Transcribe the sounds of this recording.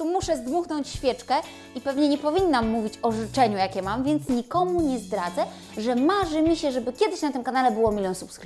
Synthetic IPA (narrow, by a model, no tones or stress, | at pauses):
t̪umuʂɛzd̪muxnɔɲt͡ɕɕfʲjɛt͡ʂkɛ | ipɛvɲɛɲɛpɔvʲinːamːuvʲit͡ɕɔʐɘt͡ʂɛɲujakʲɛmamvʲjɛnt̪sɲikɔmuɲɛzd̪ɾad̪zɛ | ʐɛmaʐɘmʲiɕɛʐɛbɘkʲjɛd̪ɘɕnat̪ɘmkanalɛbɘwɔmʲilɔ̃w̃supskɾ